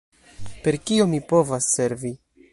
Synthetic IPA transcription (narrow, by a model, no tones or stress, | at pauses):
pe̞ɾkio̞mipo̞vasːe̞ɾvi